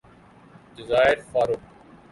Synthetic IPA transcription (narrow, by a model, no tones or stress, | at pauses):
d͡ʒɪzaːɪɾfaːɾuː